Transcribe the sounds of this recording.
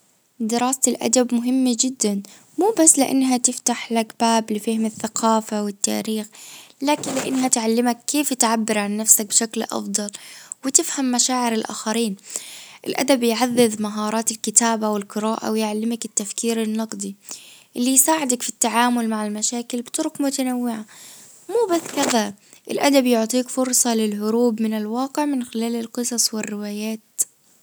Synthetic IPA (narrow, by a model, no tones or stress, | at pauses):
d̪ɪɾˤɑːst̪ɪlʔa̰d̪abmʊɦɪmːad͡ʒɪd̪ːan | muːbasːlɪʔa̰nːɦat̪ɪft̪aħlakbaːblɪfahɪmɪθːaqʰɑːfawɪt̪ːa̰ːɾiːxlaːkɪnlɪʔɪ̰nːɦat̪ʕalːɪmakːeːfɪt̪ʕabːɪɾʕanːafsak̚bʃaklʔɑ̰fd̪ˤɑlwɪt̪ɪfhamːaʃaːʕɪɾɪlʔa̰ːxaɾiːnʔɪlʔa̰d̪abjʕaðːɪðmaɦɑːɾˤɑːt̪ɪlkɪt̪aːbawɪlqɨɾaːʔa̰wjʕalːɪmakɪt̪ːafkiːɾɪnːɑqd̪iʔɪlːijsaːʕɪd̪akfit̪ːaʕaːmʊlmaʕalmaʃaːkɪlbɪt̪ɾʊkmʊt̪anawːɪʕa | muːbaskaða | ʔɪ̰lʔad̪abjʊʕt̪ˤiːkfʊɾˤsˤɑlɪlɦʊɾuːbmɪnɪlwɑːqɪʕmɪnxɪlaːlɪlqɨsˤɑsˤwɪrːɪwaːjaːt̪